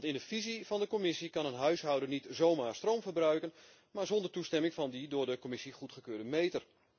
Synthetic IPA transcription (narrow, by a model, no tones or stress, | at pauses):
ntɪndəfiziv̥ɑndəkɔmɪsikɑnənɦœɥsɦɑwdəɹnitzowmaːɹstrowmvəɹbrœɥkən | maːɹzɔndəɹtustɛmɪŋvɑndidʊːɹdəkomɪsiχutχəkøːɹdəmejtər